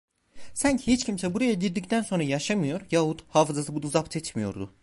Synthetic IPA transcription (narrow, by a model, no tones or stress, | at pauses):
sancʰihit͡ʃcʰimsɛbuɾajaɟiɾd̪ict̪ʰænso̞nɾajaʃamɯjo̞ɾjaːɦut̪haːfɯzasɯbud̪uzapt̪ʰɛt͡ʃmijo̞̰ɾd̪ʊ̰